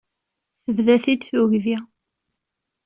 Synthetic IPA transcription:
θəvðæθid̪θuʝði

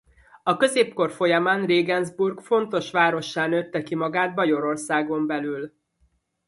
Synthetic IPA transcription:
ɒkø̞zeːpko̞rfo̞jɒmaːnreːɡɛnzburɡfo̞nt̪o̞ʃʋaːɾo̞ʃːaːnøt̪ːɛkimɒɡaːd̪̚bɒjo̞ɾo̞rsaːɡo̞mbɛlyːl

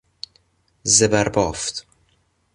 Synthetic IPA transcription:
zebæɾbɒːft̪

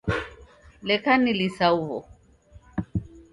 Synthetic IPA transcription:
lɛkanilisauhɔ

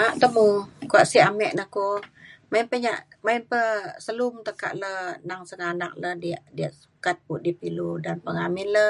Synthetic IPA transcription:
aʔt̪əmukuaʔsiamɛʔnəhkumainpəɲaʔ | mainpəsəlumt̪əka̰ʔlənaŋsəŋanak̚ləhdiaʔdiaʔsukat̪̚puʔdipiludanpəŋamɪnlə

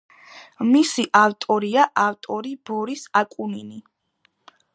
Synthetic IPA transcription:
misiʔaft̪ʼɔɾiaʔaft̪ʼɔɾibɔɾisakʼunini

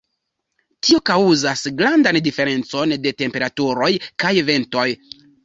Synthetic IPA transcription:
tio̞kawuzasɡɾandandife̞ɾe̞nt͡so̞nde̞te̞mpe̞ɾatuɾo̞jkajve̞nto̞j

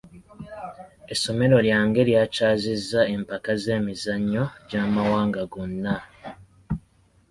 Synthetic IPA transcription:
e̞so̞me̞ɾo̞ljaːŋɡe̞ljaːcaːzizːae̞mpakaze̞ːmizaɲːo̞ɟaːmawaːŋɡaɡonːa

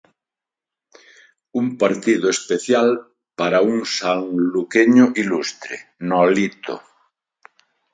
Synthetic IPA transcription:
umpaɾt̪iðoespeθjal | paɾauŋsaŋlukeɲoʔilust̪ɾḛnɔlit̪o̰

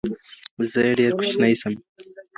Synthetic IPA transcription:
zəjeɖeɾkʰʊ̥t͡ʃnajsəm

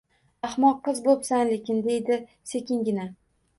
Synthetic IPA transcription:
ɑχmɒqʰːɨzbopsanlekʲɪnd̪e̞jd̪ɪ | se̞kʲɪŋɡʲɪna

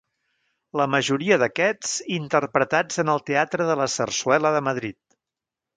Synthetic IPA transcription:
ləməʒuɾiəðəkɛt͡sint̪ərpɾət̪ad͡zənəlˠt̪eat̪ɾəðələsərswɛləðəməðɾit̪̚

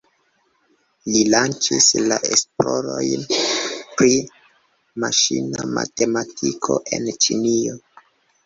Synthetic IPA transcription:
lilant͡ʃislaʔesplo̞ɾo̞jnpɾi | maʃinamate̞matʰikʰo̞ʔe̞nt͡ʃinio

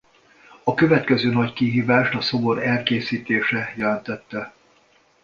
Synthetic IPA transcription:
ɒkø̞vɛt̪kɛzøːnɒckiɦiːvaːʃt̪ɒso̞bo̞ɾɛlkeːsiːt̪eːʃɛjɛlɛnt̪ɛt̪ːɛ

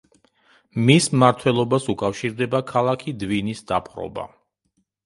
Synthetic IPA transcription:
mismaɾt̪ʰwɛlˠɔbasukʼafʃiɾd̪ɛbakʰalˠakʰid̪vinisd̪apʰχɾɔ̰ba̰

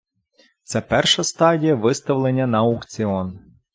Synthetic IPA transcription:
t̪sɛpɛrʃɐst̪ɑdʲijɐʋɪst̪ɐwlˠenʲːɐnɐʊkt͡sʲiɔn

